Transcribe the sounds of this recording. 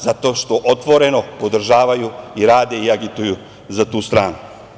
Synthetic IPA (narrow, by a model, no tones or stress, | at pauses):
zat̪o̞ːʃt̪o̞ʔot̪ʋo̞ɾe̞no̞po̞d̪r̩ʒaːʋajuiɾaːd̪e̞iaɡit̪uju | zat̪uːst̪ɾaːnu